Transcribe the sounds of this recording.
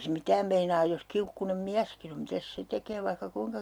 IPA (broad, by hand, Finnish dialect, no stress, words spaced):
se mitæːm meinɑːj jos kiukːunem miæskin om mitæs se tekeː ʋɑihkɑ kuiŋkɑ